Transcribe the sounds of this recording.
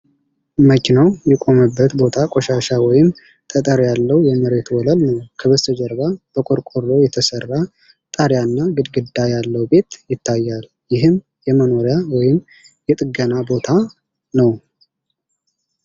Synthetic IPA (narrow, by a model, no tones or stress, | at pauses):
məkɪnowjɛkʼo̞məbːət̪bo̞t̪ʰakʼoʃaʃawɔjɪm | t̪ʼət̪ʼəɾjalːəwjɛməɾe̞t̪wɔləlnəwkʰəβəst̪ʰəd͡ʒəɾbab̥əkʼoɾkʼoɾlo̞jɛt̪ʰəsərːa | t̪ʼaɾjanːaɡɨd̪ɡɨd̪ːajalːəwbe̞t̪jɪt̪ʰːajːal | jɪɦɨm | jɛməno̞ɾjawɔjɪm | jɛt̪ʼɨɡənabo̞t̪ʰa | nəw